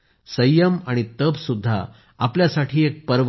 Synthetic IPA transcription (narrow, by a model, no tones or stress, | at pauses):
səjəmaɽ̃it̪əbsud̪ʱːa̰ | apljasaʈʰiːek̚pəɾʋ